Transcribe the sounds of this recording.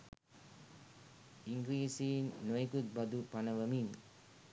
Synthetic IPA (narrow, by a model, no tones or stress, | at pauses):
iŋɡɾiːsinːoikut̪̚bad̪upanəʋəmin